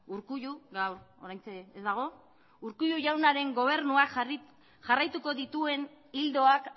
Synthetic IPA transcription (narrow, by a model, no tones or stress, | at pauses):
uɾkuʎuɣawɾo̞ɾajnt͡seezd̪aɣ̞o̞ | uɾkuʎuʝawnaɾe̞ŋɡo̞β̞e̞ɾnuak | ʝarajt̪uko̞ðit̪ue̞n | ild̪o̞ak